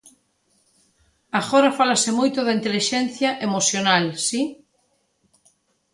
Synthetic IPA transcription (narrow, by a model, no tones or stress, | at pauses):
aɣoɾafalasemojt̪oðɪint̪eliʃɛn̟θjaʔemosjonalsi